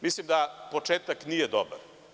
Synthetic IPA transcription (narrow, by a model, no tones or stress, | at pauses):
mislimd̪apot͡ʃeːt̪aknijɛd̪obaɾ